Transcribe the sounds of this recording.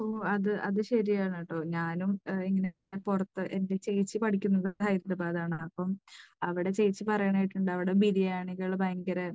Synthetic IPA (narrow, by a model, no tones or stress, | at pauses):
oɐðɨʔɐðɨɕɐɾijaːɳɐʈːoːɲaːnumiŋːɐne | epurɐt̪ːɨʔe̞nde̞t͡ɕe̞jt͡ɕːɨpɐʈʰikʲːunːɐðɨhɐjɾdɐbaːðaːɳɨɐpːɐmɐʋiɽe̞t͡ɕe̞jt͡ɕːɨpɐrɐjɐɳaːjiʈːuɳɖɨɐʋiɽebiðijaːɳikeɭbaːŋɡɐɾe